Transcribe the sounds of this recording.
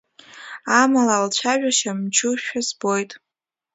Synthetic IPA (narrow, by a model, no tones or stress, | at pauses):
amalaːlt͡ɕʷʰaʒᶣaʃamt͡ʃʰʊʃᶣazbo̞jtʼ